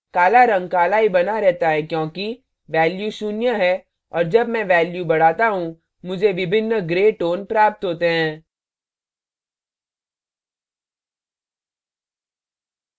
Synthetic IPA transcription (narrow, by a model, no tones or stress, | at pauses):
kaːlaɾɐ̃ŋɡ̚kaːlaibɐnaɾɛɦt̪aɦɛkjõːki | ʋɛːljuʃunjəɦɛ | ɔːɾd͡ʒɐbmɛ̃ʋɛːljubɐɽ̤aːt̪aɦũ | mʊd͡ʒʱeʋɪbʱɪnːɡɾeːʈoːnpɾaːp̚t̪ɦoːt̪eɦɛ̃ː